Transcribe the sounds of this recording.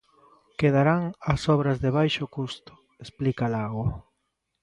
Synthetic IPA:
keðaɾaŋasɔβɾɐzðeβ̞ajʃokust̪ʊ̥ | esplikalaɣo

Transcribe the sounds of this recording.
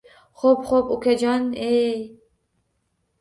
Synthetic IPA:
χopχopukʲad͡ʒanej

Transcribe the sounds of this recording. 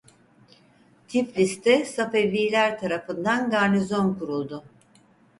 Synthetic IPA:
t̪ʰiflʲist̪ʰɛsafevlʲiːlʲæɾt̪ʰaɾafɯnd̪anɡaɾnizo̞nkuɾulˠd̪ʊ

